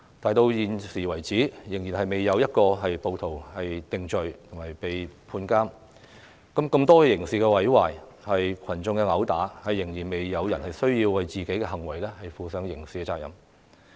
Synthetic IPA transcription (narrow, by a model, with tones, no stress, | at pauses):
t̪aː˨˧jt̪o˧wjiː˨nsiː˨˩wɐ˨˩jt͡siː˨˥jɪ˨˩ŋjiː˨˩nhɐ˨jme˨jːɐ˨˧wjɐ˥t̚kɔː˧ɦɐ˨jpo˨˧wt̪ʰo˨˩whɐ˨jt̪ɪ˨ŋt͡ʃɵ˨ɥt̪ʰʊ˨˩ŋɐ˨jpe˨jpʰuː˧nkaː˥m | kɐ˨˥mkɐ˧mt̪ɔː˥kjɪ˨˩ŋsiː˨˩kɛː˧wɐ˨˥jwa̰ː˨˩j | hɐ˨jkʰɐ˨˩nt͡sʊ˧ŋkɛ˧ŋɐ˨˥wt̪aː˨˥hɐ˨jːɪ˨˩ŋjiː˨˩nme˨jːɐ˨˧wjɐ˨˩nhɐ˨jsɵ˥ɥjiː˧wːɐ˨jt͡siː˨ke˨˥jkɛ˧ɦɐ˨˩ŋwɐ˨˩jlɛː˥hɐ˨jfuː˨sœː˨˥ŋjɪ˨˩ŋsiː˨kɛ˧t͡saː˧k̚jɐ̰˨˦m